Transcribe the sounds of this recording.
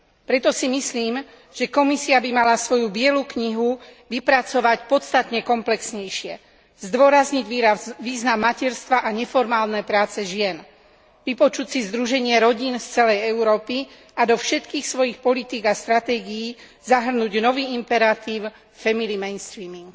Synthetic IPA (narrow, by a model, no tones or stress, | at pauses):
pɾɛt̪ɔsimisliːm | ʒ̥ɛkɔmisiabimalasʋɔjubɪɛlukɲiɦuʋipɾat͡sɔʋacpɔtst̪at̪ɲɛkɔmplɛksɲɛjʃɪɛ | zd̪ʋɔɾazɲiɟʋiʋiːznamːacɛɾst̪ʋaʔaɲɛfɔɾmaːlnɛːpɾaːt͡sɛʒɪɛn | ʋipɔt͡ʃucsizd̪ɾuʒɛɲɪɛɾɔɟinst͡sɛlɛjɛuɾɔːpi | ad̪ɔfʃɛt̪kiːxsʋɔjixpɔlit̪iːɡast̪ɾat̪ɛːɡijiː | zaɦr̩nuɟnɔʋiːimpɛɾat̪iːʊ | fɛmilimɛjnst̪ɾiːmiŋɡ